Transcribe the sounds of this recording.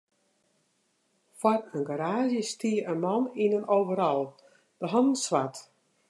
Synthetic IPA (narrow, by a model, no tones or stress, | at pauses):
fwɔrənɡaɾaːʒjəstiəənmɔninənoːvəɾɔlˠ | d̥əɦɔndn̩sʋat